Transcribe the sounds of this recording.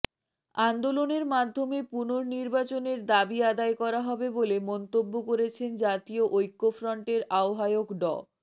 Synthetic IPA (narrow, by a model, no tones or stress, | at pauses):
and̪oloneɾmad̪ʱːomepunoɾniɾbat͡ɕoneɾd̪abiad̪aekɔɾaɦɔbebolemɔnt̪obːokoɾet͡ɕʰend͡ʑat̪ioʔojkːofɾɔɳʈeɾaoɦaeokɖɔ̰